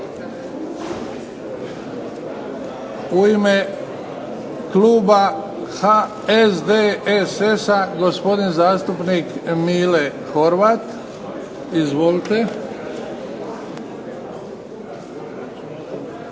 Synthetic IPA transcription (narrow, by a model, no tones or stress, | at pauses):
uime | kluːba | ha | esd̪eesesaɡo̞spo̞d̪inzaːst̪upnikmiːle | xo̞ɾʋat̪ | izʋolit̪e̞